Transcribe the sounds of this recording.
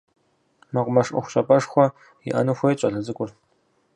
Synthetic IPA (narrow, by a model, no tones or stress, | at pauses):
mɐqʷʊmɐʂʊ̰xʷʊɕʼɐpʼɐʂxʷɔ | jḭʔɐ̰nɨxʷejt͡ʃʼɐɮɐzɨkʷʼʊr